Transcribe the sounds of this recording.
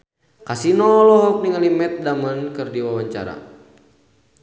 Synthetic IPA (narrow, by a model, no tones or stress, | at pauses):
kasinɔlɔɦɔk̚niŋalimɛt̪̚damənkɨrdiwawaɲt͡ʃa̰ɾa̰